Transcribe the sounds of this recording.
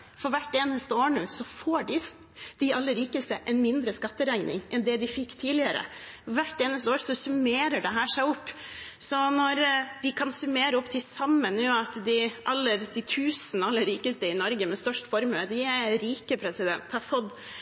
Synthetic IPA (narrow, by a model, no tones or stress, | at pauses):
fɔɾʋæʈːeːnəst̪əoːɳuːsɔfoːɖɪs | d̪̥ɪɑlːəɾiːkəst̪əʔɛnmɪnd̪ɾəskɑt̪ːəɾæɪnɪ̰ŋʔɛnd̪ɛd̪ɪfɪkːt̪ʰiːlɪəɾə̰ʋæʈːeːnəst̪əoːɾsɔsʉmeːɾəɖɛɦæːʂæɪɔpː | sɔnɔɾd̪ɪkʰɑnsʉmeːɾəɔpːt̪ʰɪsɑmːənːuːɑt̪d̪ɪʔɑlːəɾd̪ɪt̪ʰʉːsn̩ɑlːəɾiːkəst̪əɪnɔɾɡəmɛst̪œʂʈfɔɾmøːd̪ɪæɾiːkəpʰɾɛsɪd̪ɛ̰nt̪hɑɾfɔd̪